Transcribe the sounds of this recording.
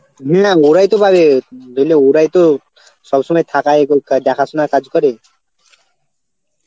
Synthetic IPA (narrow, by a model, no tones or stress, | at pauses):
niauɾajt̪obʱabed̪ojleuɾajt̪o | sɔbsɔŋɔjt̪ʰakaekokad̪akʰasɔnaɾkad͡ʒkɔɾe